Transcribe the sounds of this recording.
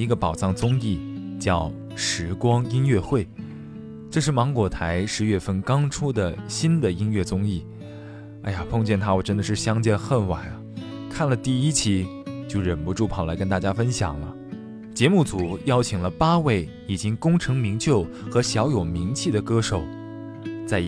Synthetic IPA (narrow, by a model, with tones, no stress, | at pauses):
i˧˥ɡə˧pɑ˨˩ʊʈ͡ʂɑ˥˩ŋt͡sʊ˥ŋi˥˩t͡ɕjɑ˥˩ʊ | ʂɻ̩˧˥kwɑ˥ŋi˥nɥɛ˥˧xwe˥˩ɪ | ʈ͡ʂɤ˥˧ʂ̬ɻ̩˥˩mɑ˧˥ŋkwɔ˨˩t̪ʰa˧˥ɪʂɻ̩˧˥ɥɛ˥˧fə˥nkɑ˥ŋʈ͡ʂʰu˥d̪ə˨ɕi˥nd̪ə˨i˥nɥɛ˥˩t͡sʊ˥ŋi˥˩ | a̰˥˧ɪja˨˩pʰɤ˥˧ŋt͡ɕjɛ˥˩nt̪ʰa˥wɔ˨˩ʈ͡ʂə˥nd̪ə˨ʂɻ̩˥˩ɕjɑ˥ŋt͡ɕjɛ˥˧nxə˥˩nwa˨˩˦ɐ˦kʰa˥˩nlə˩t̪i˥˩i˥t͡ɕʰi˥t͡ɕjo˥˩ʊɻə˨˩npu˧˥ʈ͡ʂu˥˩pʰɑ˨˩ʊla˧˥ɪkə˥nt̪a˥˩t͡ɕja˥fə˥nɕjɑ̰˨˩ŋlə̰˦ | t͡ɕjɛ˧˥mu˥˩t͡su˨˩jɑ˥ʊt͡ɕʰi˨˩ŋlə˦pa˥we˥˩ɪ | i˨˩t͡ɕi˥ŋkʊ˥ŋʈ͡ʂʰɤ˧˥ŋmi˧˥ŋt͡ɕjo˥˩ʊ | xɤ˧˥ɕjɑ˧˥ʊjo˨˩ʊmi˧˥ŋt͡ɕʰi˥˩d̪ə˩kɤ˥ʂo˨˩ʊ | t͡sa˥˧ɪ